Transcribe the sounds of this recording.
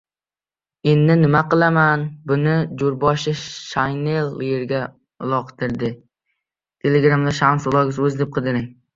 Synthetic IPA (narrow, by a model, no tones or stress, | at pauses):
enːɪnɪmaqɨlˠamanbʊnɪd͡ʒʊɾbɒʃɪʃajnelˠːjeɾɡʲa | ʊ̰lˠɒqt̪ʰɪɾd̪ɪ | t̪ʰe̞leɡɾamd̪aʃamsʊlˠɒɡʲɪzɵzd̪ep̚qʰɨd̪ɪɾɪŋ